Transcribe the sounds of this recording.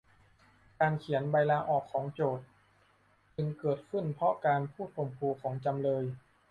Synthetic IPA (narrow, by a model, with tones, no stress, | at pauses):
kaː˧nkʰi˩˦ənba˧jlaː˧ʔɔː˨˩kʰːɔː˩˦ŋt͡ɕoː˨˩t̪̚ | t͡ɕɯ˧ŋkɤː˨˩t̪̚kʰɯ˥˩npʰɾɔ˦˥kaː˧npʰuː˥˩t̪̚pʰo˨˩mpʰuː˧kʰɔː˩˦ŋt͡ɕa˧mlɤː˧j